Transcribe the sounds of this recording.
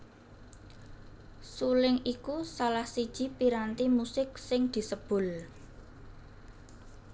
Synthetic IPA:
sulɪŋikusalahsid̥ʒ̥i̤piɾant̪imusɪk̚sɪŋd̪̥i̤səb̥ʊ̤l

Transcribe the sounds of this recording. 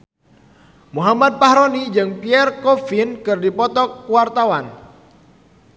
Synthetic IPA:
muɦamad̪̚pahɾonid͡ʒɨŋpiɛrkɔfinkɨrdipɔt̪ɔkːuwart̪awan

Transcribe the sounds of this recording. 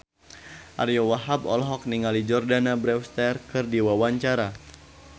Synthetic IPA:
ʔa̰rjɔwaɦabɔ̰lɦɔk̚niŋalid͡ʒɔrdanabɾɛfst̪ɛrkɨrdiwawaɲt͡ʃaɾa

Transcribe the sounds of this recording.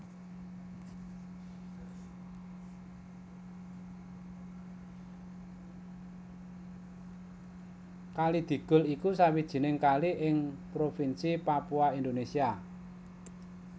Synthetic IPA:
kalid̪̥i̤ɡ̥ʊ̤likusawid̥ʒ̥i̤nɪŋkaliʔɪŋpɾofinsipapuaind̪onesia

